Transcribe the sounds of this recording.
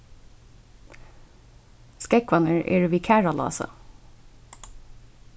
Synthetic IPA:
skɛkʋɑnəɹḛːɹʋiːkʰæːɹɑlɑ̰ːsɑ̰

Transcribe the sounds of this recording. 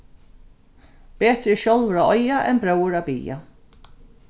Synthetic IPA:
peːt̪ɾɪʃɔlvɾaʔɔjaʔɛ̰nbɾœwɹabḭːja̰

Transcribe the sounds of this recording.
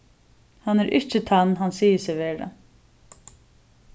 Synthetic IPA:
hanːɛɾʔɪt͡ʃːɪt̪ʰanːɦansiːjɪsɛʋeːɹa̰

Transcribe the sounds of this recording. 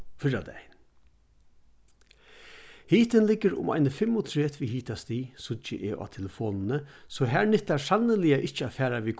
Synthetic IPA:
fɪɹad̪ɛ̰jn | hiːt̪ɪnlɪkːəɾʊ̰ma̰ɪjnəfɪmːʊt̪ʰɾeːt̪ʋiɦiːt̪ast̪iːsʊə̰ʔeːʔa̰ːt̪ʰɛləfɔːnnəsɔɦæɹnɪht̪asalnəlɪaʔɪht͡ʃəafæːɾaʋikʰ

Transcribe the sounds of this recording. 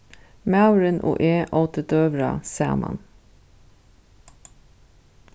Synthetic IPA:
mɑʉɾənʔo̰ːʔeːʔɑːt̪ət̪øːʋɾɑ̰sæ̰ːmʔɑ̰n

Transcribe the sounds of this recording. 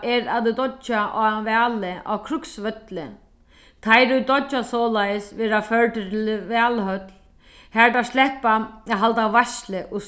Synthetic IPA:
ʔɛɾaððud̪ɔt͡ʃːaʔa̰vɛːlɪa̰wkʰɾʊksvœt̪lɪ | t̪ʰajɾud̪ɔt͡ʃːasɔːlajɪsvɪɾafœɹʈ̪ɪɾvɛːlhœt̪l | hɛɹt̪aslɛhpaɦalt̪avajslɪʔɔ

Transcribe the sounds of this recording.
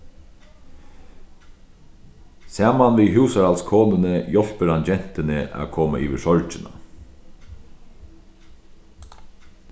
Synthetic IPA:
saːmanʋiːɦʉːsaɾalskʰoːnɪnəjɔl̥pəɾand͡ʒɛn̥t̪ɪnəʔa̰ːkʰoːma̰ʔḭːʋɪʂɔɹt͡ʃɪna̰

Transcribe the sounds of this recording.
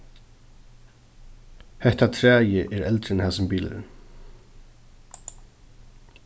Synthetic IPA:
hɛht̪at̪ʰɾæːjɪʔɛɾɛlt̪ɾɪnhaːsʏmpiːlɪ̰ɪ̰n

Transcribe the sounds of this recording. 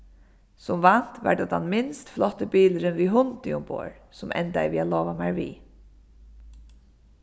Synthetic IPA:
sɔmʋɑnt̪ʋɑ̰ɖ̪ɑd̪ɑnmɪnst̪flɔt̪əbiːləɾənʋiːɦʊnd̪ɪʊmbo̰ːɹsʊmʔɛ̰nd̪æ̰ɪʋiːaloːʋamæɹʋḭː

